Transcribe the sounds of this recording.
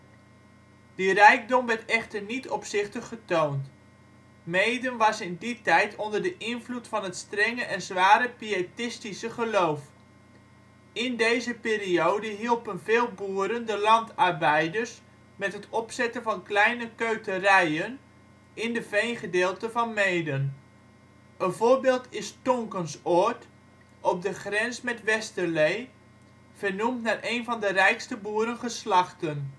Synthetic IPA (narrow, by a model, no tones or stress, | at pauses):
d̥irɛjk̚dɔmʋɛɹtɛχtərnitɔpsɪχtəχːətownt | mejdənʋɑsɪnditɛjtʰɔndərdəʔɪnvlutfɑnɦətstrɛŋəʔɛnzʋaːɾəpietɪstisəχəlowf | ɪndejzəpɪːɾiowdəɦilˠpənveːlˠbuːəɾəndəlɑntɑrbɛjdəɹs | mɛtɦətʰɔpsɛtənvɑnklɛjnəkøɥtərɛjən | ɪndəfejnχədeːlˠtəvɑnmeːdən | əvoːrbeːlˠtʰɪstɔŋkənsot | ɔp̚dəχrɛnsmɛtʋɛstəlej | v̥ərnumtnarʔeːnvɑndərɛjkstəbuːəɾənχəslɑχtən